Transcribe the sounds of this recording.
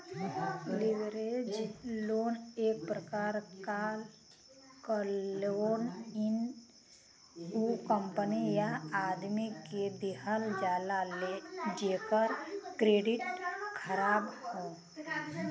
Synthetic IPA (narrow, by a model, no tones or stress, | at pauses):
liʋɾed͡ʒloːneːk̚pɾəkaːɾka | kəlonɪn | ukəmpənijaaːd̪miked̪iɦəld͡ʒaːlaled͡ʒeːkəɾkɾeːɖɪʈkʰəɾaːbhoː